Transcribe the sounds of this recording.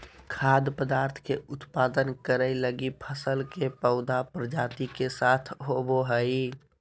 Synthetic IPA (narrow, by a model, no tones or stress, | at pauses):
kʰad̪pəd̪aːɾt̪ʰkeʊt̪paːd̪ənkəɾəɪləɡipʰəsəlkepəʊd̪apɾəd͡ʒaːt̪ikesat̪ʰɦoboɦəi